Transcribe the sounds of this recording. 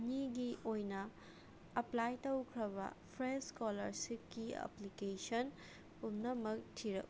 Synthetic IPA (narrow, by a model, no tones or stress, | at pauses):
niɡiʔojnɐ | ɐplajtɐwkʰɾɐβɐ̰pʰɾeskolɐɾsikːiɐ̰plikesɐn | pumnɐmɐk̚tʰiɾɐ̰k̚